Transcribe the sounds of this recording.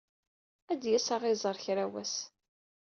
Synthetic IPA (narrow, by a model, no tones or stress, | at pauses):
æd̪jæsɑʁɪzˤəɾˤçɾæwæs